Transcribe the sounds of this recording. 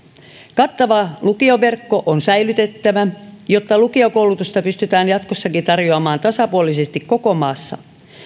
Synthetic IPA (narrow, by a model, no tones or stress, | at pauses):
kɑt̪ːɑʋɑlukioʋe̞rkːo̞ʔonsæjlyt̪e̞t̪ːæʋæjo̞t̪ːɑlukiokowlut̪ust̪ɑpyst̪yt̪æːnjɑt̪kosːɑkit̪ɑrjoɑmɑːnt̪ɑsɑpuolisest̪ikko̞ko̞mɑːsːɑ̰